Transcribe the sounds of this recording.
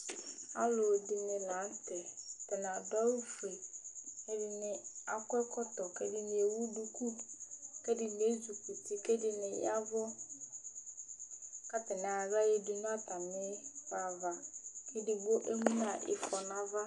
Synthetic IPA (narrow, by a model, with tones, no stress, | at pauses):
ha̰˦lo˨dɪ˨nɪ˨lã˨˦n̩˦tɛ˨tɛ˨n˨a˨dɔ˦u˦fɾe˨ke˦dɪ˨nɪ˨a˨kʊ˦ɛ˦kɔ˦tɔ˨kɛ˦dɪ˦nɪ˨e˨wu˦du˨ku˦kɛ˦dɪ˨n˨e˦zu˨ku˨tɪ˨kɛ˦dɪ˦nɪ˨ja˦vɔ˦ | ka˦tɪ˨nɪ̃˨a˨za˦je˨dʊ˨nʊ̃˦a˦ta˨mɪ˦fa˨va˨ke˦dɪ˨ɡ͡bo˦ʔe˦ŋũ˦n˦a˨ʔɪ̰˨fɔ˨na˦va˦